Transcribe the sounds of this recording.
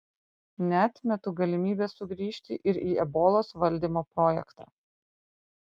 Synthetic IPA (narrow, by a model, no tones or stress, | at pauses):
nʲɛɑt̪ʲmʲɛt̪uːɡɐlʲɪmʲiːbʲeːsːʊɡɾʲiːʃʲt̪ʲɪ̰ʔɪɾiːɛboːlˠoːsʋɐlʲd̪ʲiːmoːpɾoːjɛ̰kt̪ɑ̰ː